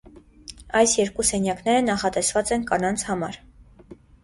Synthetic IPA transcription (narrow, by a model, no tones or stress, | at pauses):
ɑjsjɛɾkusɛnjɑkn̪ɛɾənɑχɑt̪ɛsvɑt͡sɛnkɑnɑnt͡sʰhɑmɑ̰ɾ